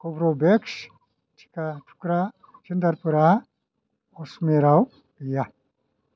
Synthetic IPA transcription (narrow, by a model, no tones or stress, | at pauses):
kobɾobekʃ | tʰi̥katʰu̥kɾa | t͡ʃind̪ɐɾpɨɾa | osmeɾaw | ija